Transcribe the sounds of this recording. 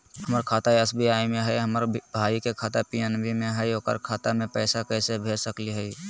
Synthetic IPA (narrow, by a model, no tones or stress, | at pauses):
ɦəməɾkʰaːt̪aiəsbʱiaːimẽɦɛiɦəməɾbʱaːikekʰaːt̪apijənbʱimẽɦɛjoːkə̰ɾkʰaːt̪amẽpəːsakɛːsebʱeːsəkliɦɛi